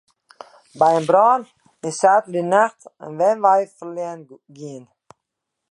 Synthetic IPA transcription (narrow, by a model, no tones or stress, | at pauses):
bajənbɾɔːn | ɪsaːtədinaxt̪ə̰nvɛnvajfəliən | ɡiːn